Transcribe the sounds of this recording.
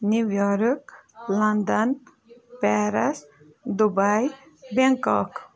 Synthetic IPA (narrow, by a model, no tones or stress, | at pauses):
nuʋjɔɾklɐnd̪ɐn | pɛɾɐs | d̪ubaj | beŋkɔk